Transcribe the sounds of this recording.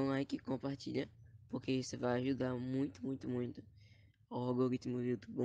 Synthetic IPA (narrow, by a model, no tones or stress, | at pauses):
ɐ̃w̃ajkɪkõpaɾt͡ʃiʎɐpoɾkeisevajaʒud̪aɾmũj̃t̪ʊmũj̃t̪ʊmũj̃t̪ʊ̥ | aɔɡoɡit̪moviwt̪ʊbõ